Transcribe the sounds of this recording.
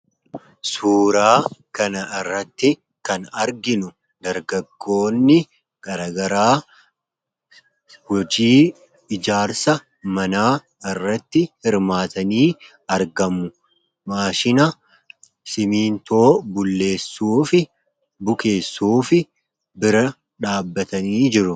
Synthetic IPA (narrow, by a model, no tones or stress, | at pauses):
suːɾaːkɐnɐʔɪrːɐt̪ːɪ | kɐnɐɾɡɪnʊ | d̪ɐɾɡɐɡːo̞ːnːɪ | ɡ̥ʼɐɾɐɡɐɾaː | wɔd͡ʒiː | ɪd͡ʒaːɾsɐ | mɐnaː | ɪrːɐt̪ːɪhɪɾmaːt̪ɐniː | ɐɾɡɐmːʊ | maːʃɪnɐ | sɪmiːnt̪o̞ːbʊlːe̞ːsːuːfɪ | bʊke̞ːsːuːfɪ | bɪɾɐ | ᶑaːbːɐt̪ɐniːd͡ʒɪɾʊ